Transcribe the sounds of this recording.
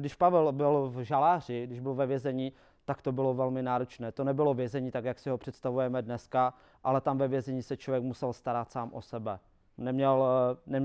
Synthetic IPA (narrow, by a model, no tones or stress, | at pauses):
dɪʃpavɛlbɪlvʒalaːrɪɡdɪʒbɪlvɛvjɛzɛɲiː | t̪akt̪obɪlovɛlmɪnaːɾot͡ʃnɛːt̪o̞nɛbɪlo̞vjɛzɛɲiːt̪akjaksɪɦopr̥ɛt̪st̪avujɛmɛdnɛska | ʔalɛt̪amvɛvjɛzɛɲiːsɛt͡ʃlovjɛkmusɛlst̪aɾat̪saːmʔosɛbɛ | nɛmɲɛlnɛm